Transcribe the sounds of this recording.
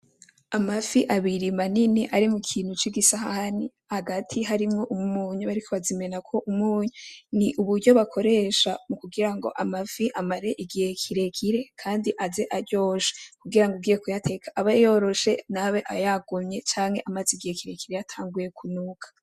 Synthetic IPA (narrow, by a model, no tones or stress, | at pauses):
amafiʔaβiɾimaniniʔaɾimukʰiːn̥hut͡ʃiɡisahahani | haɡatʰiɦaɾimŋo̞ʔumumuːɲuβaɾikʰo̞βazime̞nakʰo̞ʔumuːɲuniʔuβuɾɟo̞βakʰo̞ɾe̞ːʃamukuɡiɾaŋɡo̞̰ʔamafiʔamaɾe̞ʔiɡihe̞kʰiɾe̞kʰiɾe̞kʰaːndiʔazeʔaɾɟo̞ːʃe̥kuɡiɾaŋɡubɡiːjekujatʰe̞kʰḁʔːβajo̞ːɾo̞ʃe̞naweʔajaɡumɲet͡ʃaːŋhe̞ʔamaziɡihekiɾe̞kiɾejatʰaːŋɡuje̞kʰunuːkʰḁ